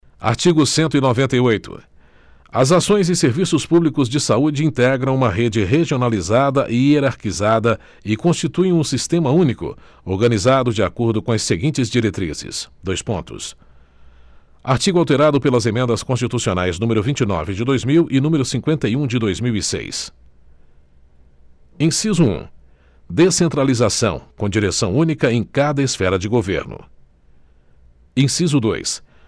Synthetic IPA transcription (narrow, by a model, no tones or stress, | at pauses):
a̰ɾt͡ʃiɡʊsẽnt̪̬ʊinovẽnt̪ɐjojt̪ʊ̰ | ɐzasõj̃zɪseɾvisʊspublikʊzd͡ʒɪsaud͡ʒɪĩnt̪ɛɡɾɐ̃w̃ũmɐɦed͡ʒɪɦeʒionalizad̪ɐʔɪeɾaɾkizad̪ɐ | ɪkõst͡ʃit̪uẽũsist̪ẽmɐũnikʊ̰ | oɾɡɐ̃nizad̪ʊd͡ʒɪa̰koɾd̪ʊkõɐsːeɡĩt͡ʃɪzd͡ʒiɾet̪ɾḭzɪ̰sd̪ojspõ̰nt̪ʊ̰s | aɾt͡ʃiɡʊawt̪eɾad̪ʊpelɐzemẽnd̪ɐskõst͡ʃit̪usionajznũmeɾʊvĩnt͡ʃɪnɔ̰vɪd͡ʒɪd̪ojzmiwʔɪnũmeɾʊsĩŋkwẽnt̪ɐiũd͡ʒɪd̪ojzmiwisḛjs | ẽsizʊṵ̃ | d̪esẽnt̪ɾalizasɐ̰̃w̃kõd͡ʒiɾesɐ̃w̃ũnikɐẽj̃kad̪ɐɪsfɛɾɐd͡ʒɪɡovḛɾnʊ̰ | ẽsizʊd̪o̰js